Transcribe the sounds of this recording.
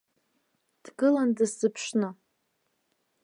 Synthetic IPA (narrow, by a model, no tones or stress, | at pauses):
d̥ɡɨlandɨsz̥ɨpʰʂnɨ